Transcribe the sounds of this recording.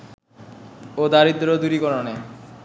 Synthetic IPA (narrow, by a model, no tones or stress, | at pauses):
od̪aɾid̪ːɾod̪uɾikɔɾone